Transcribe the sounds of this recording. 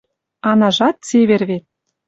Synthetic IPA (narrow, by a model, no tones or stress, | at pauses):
ɑnɑʒɑt̪̚t͡seβerβet̪̚